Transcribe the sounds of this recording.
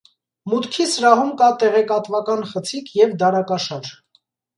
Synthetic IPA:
mut̪kʰisəɾɑɦumkɑt̪ɛʁɛkɑt̪vɑkɑnχət͡sʰikʰjɛvd̪ɑɾɑkɑʃɑɾ

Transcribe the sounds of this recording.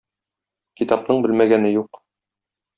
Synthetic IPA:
kit̪ɑp̚nɤɴbɘlmæɡænɘjuq

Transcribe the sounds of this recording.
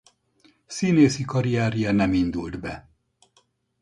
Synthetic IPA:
sineːsikɒɾijaːɾijɛnɛmind̪uld̪bɛ

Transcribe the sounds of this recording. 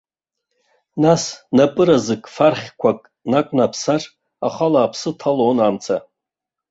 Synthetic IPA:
nasnapʼɨɾazɨkʼfarχʲkʷʰakʼ | nakʷʼnapʰsarʼ | a̰χalaːpʰsɨtʰalonamt͡sʰa

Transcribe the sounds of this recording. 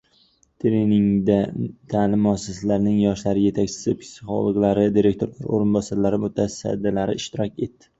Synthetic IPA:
t̪ʰɾenɪŋd̪at̪ʰalɪmːɒsasalaɾnɪŋjɒʃlaɾɪje̞t̪ʰakʲt͡ʃʰɪ̥sɪpʰɪ̥sɪχɒ̰lˠɨʁlˠaɾɪd̪iɾe̞kt̪ʰoɾlaɾo̰ɾɪnbɒsaɾlaɾɪmʊt̪ʰasa̰d̪ːɪlaɾɪɪʃt̪ɪɾɒkʲe̞t̪ːɪ̥

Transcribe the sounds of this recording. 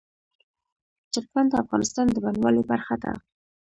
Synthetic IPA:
t͡ʃəɾmand̪əafɣɑnɪst̪ɑnd̪əbanwɑlebaɾxad̪a̰

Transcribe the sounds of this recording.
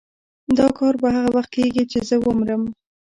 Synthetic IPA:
d̪ɑkɑɾbaɦaɣawaxt̪̚kʰeɡit͡ʃezəwəmɾəm

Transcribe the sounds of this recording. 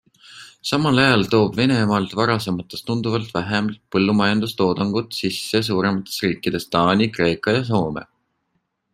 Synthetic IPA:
sɑmɑlɑjɑlt̪o̞ːb̥ve̞ne̞mɑlt̪vɑɾɑse̞mɑt̪ːˑest̪und̪uvɑlt̪væɦemɑlt̪̚pɤ̞lːumɑjɑnd̪ust̪o̞ːd̪̥ɑŋɡ̥ut̪ˑsisːes̬uːɾe̞mɑt̪ːˑesriːkːˑid̪̥e̞st̪ɑːnʲikre̞ːkˑɑjɑs̬o̞ːmḛ

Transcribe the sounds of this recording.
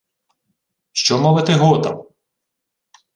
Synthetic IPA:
ʃt͡ʃɔmɔʋɪt̪ɪɦɔt̪ɐ̰m

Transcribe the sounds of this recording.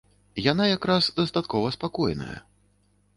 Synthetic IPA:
jan̪ajakɾasd̪ɐst̪at̪kɔvɐspakɔjnɐ̰jɐ̰

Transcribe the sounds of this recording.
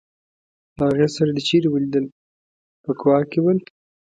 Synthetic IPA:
ləaɣjesaɾad̪ət͡ʃeɾewəlid̪əl | pəkwɑkewəl

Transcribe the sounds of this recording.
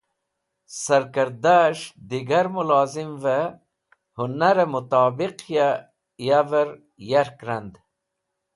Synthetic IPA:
sɐɾkəɾd̪aʃd̪iɡaɾmulɑːzimvə | hunaɾemut̪ɑːbiqja | javəɾ | jaɾkɾand̪

